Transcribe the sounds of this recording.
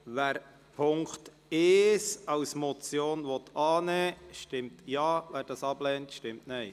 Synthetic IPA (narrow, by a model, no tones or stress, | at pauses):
ʋæːɾ | pʰʊŋkt | eːsɑʊsmɔt͡sjoːnʋɔtɑːnɛːʃtɪmtjɑːʋæːɾd̥ɑsɑblɛːntʃtɪmtnɛɪ